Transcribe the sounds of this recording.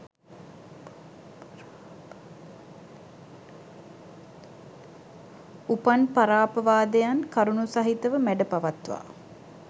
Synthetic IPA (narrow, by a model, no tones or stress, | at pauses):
upanpaɾaːpɐʋaːd̪ejankaɾunusaɦit̪əʋəmæɖəpaʋat̪ʋa̰ː